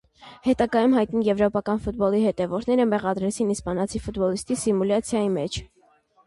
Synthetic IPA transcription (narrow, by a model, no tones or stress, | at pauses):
hɛt̪ɑɡɑjumɦɑjt̪nijɛvɾɔpɑkɑnfut̪̚bɔlihɛt̪ɛvɔɾnɛɾəmɛʁɑd̪ɾɛt͡sʰinispɑnɑt͡sʰifut̪bɔlist̪isimulɑt͡sʰjɑjimɛt͡ʃʰ